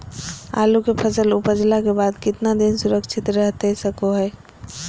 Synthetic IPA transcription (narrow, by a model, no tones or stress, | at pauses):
a̰ːlukepʰəsəlʊpəd͡ʒlakebaːd̪kɪt̪nad̪ɪnsʊɾəkʃʰɪt̪ɾəɦt̪esəkoɦɛː